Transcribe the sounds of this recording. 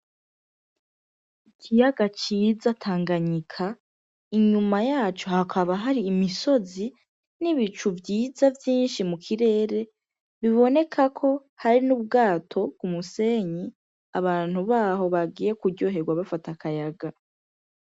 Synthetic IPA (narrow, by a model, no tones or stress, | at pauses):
ikʰijaɡat͡ʃiːzatʰaːŋɡaɲikʰa | iɲumajaːt͡ʃo̞hakʰaβaɦaɾiːmiso̞zi | niβit͡ʃuvjiːzavjiːnʃimukʰiɾe̞ːɾe̞ | βiβo̞ne̞kʰakʰo̞ | haɾinuβ̚ɡaːtʰo̞kumuse̞ːɲi | a̰βaːn̥huβaːɦo̞βaɡiːje̞kuɾɟo̞ːɦe̞ɡwaβafatakajaɡa